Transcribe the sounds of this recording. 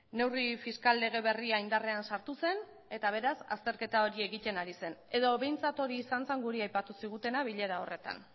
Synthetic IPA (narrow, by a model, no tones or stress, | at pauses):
ne̞wrifiskalːe̞ɣ̞e̞β̞e̞riaind̪are̞ansaɾt̪use̞n | e̞t̪aβ̞e̞ɾasa̰st̪e̞ɾke̞t̪ao̞ɾie̞ɣit̪e̞naɾise̞ne̞ðo̞βe̞jnt͡sat̪o̞ɾiːsant͡seŋɡuɾiajpat̪usiɣ̞ut̪e̞naβ̞iʎe̞ɾao̞̰re̞t̪a̰n